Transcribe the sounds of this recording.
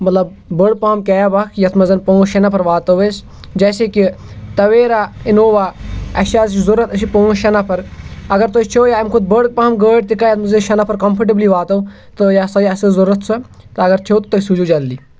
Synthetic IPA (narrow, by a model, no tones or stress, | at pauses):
mɐt̪lɐb | bəɽ̚paːmkɛːjabɐkʰjɐt̪ʰmɐzɐnpõːʃɐnapʰɐɾʋaːt̪ɐʋeːs | d͡ʒɛːseki | t̪ɐʋeːɾaːɪnoːʋaːɐʃaːzzʊɾɐt̪ɐsipõːʃɐnapʰɐɾɐɡɐɾt̪oːt͡ʃʰoːjaːjmkʰʊd̪̚bəɽk̚paːmɡəːʈt̪ikajɐt̪ʰmɐzɐnʃɐnapʰɐɾkɐmpʰɐʈ̬ibliːʋaːt̪ɐ | t̪ɐjasɐjɐsɐzʊɾɐt̪sʰɐ | t̪ɐɐɡɐɾt͡ʃʰoːt̪t̪osud͡ʒuːd͡ʒɐlːiː